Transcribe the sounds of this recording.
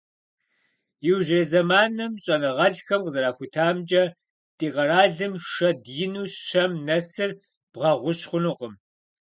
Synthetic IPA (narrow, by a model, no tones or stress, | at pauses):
jɪwʒeːzɐmaːnɨmɕʼɐnɨʁɐɮxɐmqəzɐɾaːxʷʊtʰaːmd͡ʒʼɐ | tʼiːʁɐɾaːɮɨmʂɐdjɪnuːɕɕɐmnɐsɨr | b̥ʁɐʁʷʊɕχʷʊnuqəm